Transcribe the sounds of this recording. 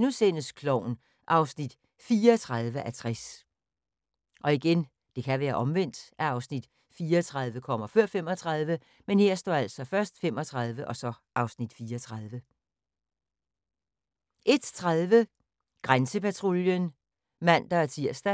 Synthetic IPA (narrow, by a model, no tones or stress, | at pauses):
nuse̝nəskʰlɒʊ̰n | ʔɑ̈ʊsnid̥ | fiːɐt͡sʰʁɑðˠʋəʔæt͡sʰʁas | ʔɒ̽iɡ̥en | d̥e̝kʰæʋæːɐʔɒ̽mʋen̰d̥ʔæɑ̈ʊsnid̥ | fiːɐt͡sʰʁɑ̈ðˠʋəkʰɒ̽m̰ɐføɐ̰fem̰ɒt͡sʰʁɑ̈ðˠʋə | menhe̝ɐ̰sd̥ɒ̰ːælsɒ̽fɶɐsd̥fem̰ɒ̽t͡sʰʁɑðˠʋəʔɒ̽sɒ̽ʔɑ̈ʊsnid̥fiːɐɒt͡sʰʁɑðˠʋə | ʔe̝d̥t͡sʰʁaðˠʋə | ɡ̥ʁansəpæt͡sʰʁoljən | mæn̰d̥ɑ̈æɐt͡sʰiɐ̰sd̥æ